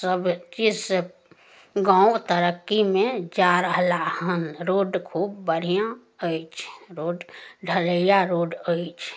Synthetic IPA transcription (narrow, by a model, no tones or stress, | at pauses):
səbt͡ʃɪs | ɡãːt̪əɾəkːimẽd͡ʒaɾəɦlahənɾoːɖkʰuːbːəɽʱijã | əit͡ʃʰɾoːɖɖʱələjaɾoːɖəit͡ʃʰ